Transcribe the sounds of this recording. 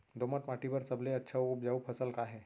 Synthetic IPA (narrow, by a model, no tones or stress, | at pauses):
d̪oməʈmaːʈipəɾsəbleɐtːʃʰauʊp̚d͡ʒaupʰəsəlkaɦɛː